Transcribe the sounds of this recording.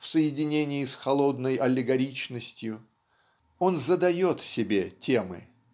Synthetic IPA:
fsəjɪdʲɪnʲenʲɪjɪsxɐlˠo̞d̪nəjʔɐlʲɪɡɐɾʲit͡ɕnəsʲtʲjʊ | o̞nzəd̪ɐjo̞t̪sʲɪbʲetʲe̞mɨ̰

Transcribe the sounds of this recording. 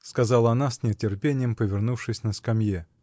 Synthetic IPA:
skɐzɑlˠəɐnasʲnʲɪətʲɪrpʲenʲɪjəmpəvʲɪrnufʂɨsʲnəskɐmʲje

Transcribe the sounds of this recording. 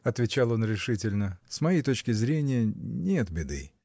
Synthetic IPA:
ɐt̪vʲɪt͡ɕalˠo̞nɾʲɪʂɨtʲɪlʲnəsmɐjejt̪o̞t͡ɕkʲɪzɾʲenʲɪjənʲe̞t̪bʲɪd̪ɨ̰

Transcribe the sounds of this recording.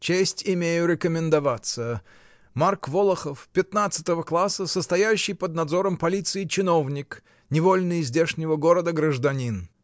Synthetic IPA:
t͡ɕesʲtʲɪmʲejʊɾʲɪkəmʲɪnd̪ɐvat̪sə | markvolˠəxəfpʲɪt̪nat̪sə̥t̪əvəklˠasːəsəst̪ɐjæjʉɕːɪjpəd̪̚nɐd̪zo̞ɾəmpɐlʲit̪sɨɪt͡ɕɪno̞vnʲɪk | nʲɪvo̞lʲnɨjzʲdʲeʂnʲɪvəɡo̞ɾəd̪əɡɾəʐd̪ɐnʲin

